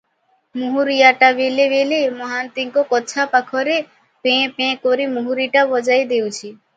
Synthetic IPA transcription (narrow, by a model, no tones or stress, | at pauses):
muɦuɾijaʈabelebelemɔɦant̪iŋkɔkɔt͡ʃʰapakʰɔɾe | pẽpẽkɔɾimuɦuɾiʈabɔd͡ʒajd̪ewt͡ʃʰi